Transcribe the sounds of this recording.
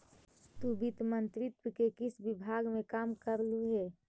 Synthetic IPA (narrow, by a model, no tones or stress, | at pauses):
t̪ubɪt̪mənt̪ɾɪt̪wəkekɪsbɪbʱaːɡmẽkaːmkəɾluɦɛː